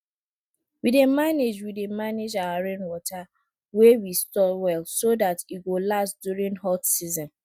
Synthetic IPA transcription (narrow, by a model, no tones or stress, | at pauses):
widemaned͡ʒwidemaned͡ʒawaɹẽnwɔta | wewistɔwɛlsodatiɡolastdjuɹĩŋhɔtsizɔ̃n